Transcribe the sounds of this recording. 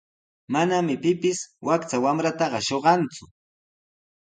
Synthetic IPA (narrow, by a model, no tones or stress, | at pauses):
manamɪpɪpɪswakt͡sawamɾat̪ɑɢɑʃoɢɑnt͡sʊ